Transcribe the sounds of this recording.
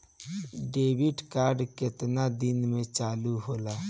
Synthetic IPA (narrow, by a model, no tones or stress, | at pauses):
ɖeːbiʈkaːɾɖkɪt̪nad̪inmẽt͡ʃaːluɦoːlaː